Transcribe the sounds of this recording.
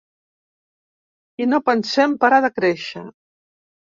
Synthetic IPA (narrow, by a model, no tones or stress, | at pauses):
inopənsɛmpaɾaðəkɾeʃə̰